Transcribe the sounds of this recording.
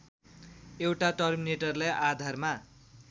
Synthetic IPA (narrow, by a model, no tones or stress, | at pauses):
ewʈaʈʌrmineʈʌrlajʔad̪ʱarma